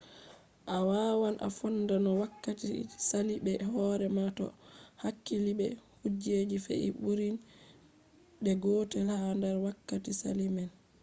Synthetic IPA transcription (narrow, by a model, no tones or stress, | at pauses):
ʔawaːwanʔa̰fɔnːdanɔwakːatisaliɓɛhɔɾɛmatɔ̰hakːilibɛhud͡ʒed͡ʒifɛ̰ʔḭɓuɾin | ɗɛɡɔtɛlhandaɾwakːatisa̰limɛn